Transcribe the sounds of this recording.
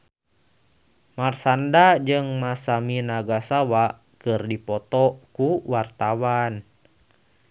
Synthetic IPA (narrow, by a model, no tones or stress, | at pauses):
marsandad͡ʒɨŋmasaminaɡasawa | kɨrdipɔt̪ɔkuwart̪awan